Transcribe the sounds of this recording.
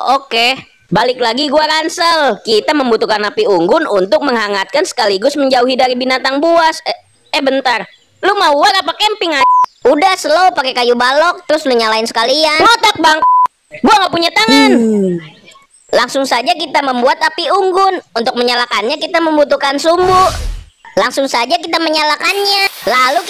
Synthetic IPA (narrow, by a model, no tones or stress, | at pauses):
oke | balɪklaɡiɡuaɾansəlkit̪aməmbut̪ukanapiuŋɡʊnunt̪ʊk̚məŋɦaŋat̪̚kansə̥kaliɡʊsməɲd͡ʒauɦidaɾibinat̪aŋbuas | ɛbənt̪ar | lumauaɾapakɛmpɪŋaudahsəlopakekajubalɔk̚t̪əɾʊsluɲalaɪnsə̥kaliamot̪ak̚baŋk̚ | buaŋɡapuɲat̪aŋan | laŋsʊŋsad͡ʒakit̪aməmbuat̪apiuŋɡʊnunt̪ʊk̚məɲalakanɲakit̪aməmbut̪ukansumbʊhlaŋsʊŋsad͡ʒak̬it̪aməɲalakanɲalalu